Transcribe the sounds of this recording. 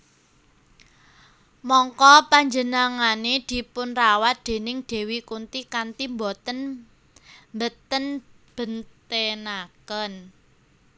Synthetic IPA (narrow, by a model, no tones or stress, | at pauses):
mɔŋkɔpaɲd͡ʒənaŋaned̪̥i̤pʊnrawat̪̚d̪̥e̤nɪŋd̪̥e̤wikunt̪ikant̪imbɔt̪ən | mbət̪ənb̥ə̤nt̪enakən